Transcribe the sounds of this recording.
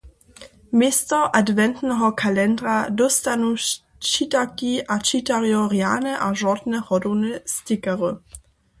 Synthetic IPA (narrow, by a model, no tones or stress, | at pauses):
mestɔʔadvɛnt̪nɛɦɔkʰalɛndʁadɔstanu | t͡ʃitakiʔat͡ʃitaʁjɔʁjaːnɛʔaʒɔdnɛhɔdɔnɛstɪkaʁə